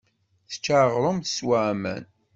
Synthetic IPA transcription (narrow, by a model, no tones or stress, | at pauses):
θə̥t͡ʃːaʁɾˤəmθəswaʕmæ̰n